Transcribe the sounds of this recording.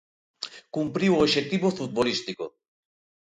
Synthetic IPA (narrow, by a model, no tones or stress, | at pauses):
kumpɾiwoʃek̚t̪iβofut̪̚βolist̪iko